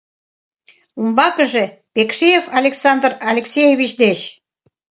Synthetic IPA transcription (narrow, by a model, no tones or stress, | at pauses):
umbɑkəʒepekʃejefɑlʲeksɑnd̪rɑlʲeksʲejeβʲit͡ɕd̪et͡ɕ